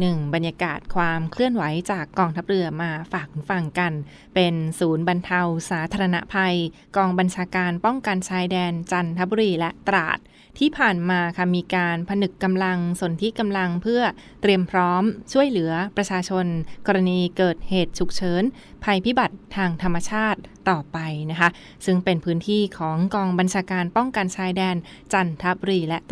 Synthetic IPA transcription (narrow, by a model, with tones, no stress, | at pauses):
nɯ˨˩ŋba˧nja˧ka̰ː˨˩t̪̚kʰwaː˧mkʰlɯ˥˩ənwa˩˦jt͡ɕaː˨˩kːɔː˧ŋt̪ʰa˦˥p̚ɾɯ˧ɐmaː˧faː˨˩k̚fa˨˩ŋka˧n | pe˧nsuː˩˦nba˧nt̪ʰa˧wsaː˩˦t̪ʰaː˧ɾa˧na̰˦˥ʔpʰa˧j | kɔː˧ŋba˧nt͡ɕʰaː˧kaː˧npɔ˥˩ŋka˧nt͡ɕʰaː˧˥jdɛː˧nt͡ɕa˧nt̪ʰa˦˥bu˧ɾiː˧lɛ˦˥ʔt̪a˧ɾa̰ː˨˩t̪̚ʰː | iː˥˩pʰaː˨˩nmaː˧kʰa˥˩miː˧kaː˧npʰa˧nɯ˨˩kːa˧mla˧ŋso˩˦nt̪ʰi˦˥ka˧mla˧ŋpʰɯ˥˩ɐ | t̪ɾi˧əmpʰɾɔː˦˥mt͡ɕʰu˥˩əjlɯ˩˦ɐpɾa˧t͡ɕʰaː˧t͡ɕʰo˧nkɔː˧ɾa˧niː˧kɤː˨˩t̪̚heː˨˩t̪̚t͡ɕʰu˨˩k̚t͡ɕʰɤː˩˦n | pʰa˧jpʰi˦˥ba˨˩t̪̚ʰːaː˧ŋt̪ʰa˧mːa˧t͡ɕʰaː˥˩t̪̚ːɔː˨˩pa˧jna˦˥kʰa˦˥ʔ | sɯ˥˩ŋpe˧npʰɯː˦˥nt̪ʰiː˥˩kʰɔː˩˦ŋkɔː˧ŋba˧nt͡ɕʰaː˧kaː˧npɔ˥˩ŋka˧nt͡ɕʰaː˧˥jdɛː˧n | t͡ɕa˧nt̪ʰa˦˥bu˧ɾiː˧lɛ˦˥t̪